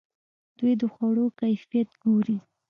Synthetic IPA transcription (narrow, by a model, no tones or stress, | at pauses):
d̪̥wujd̪əxwaɽokajfijat̪ɡoɾi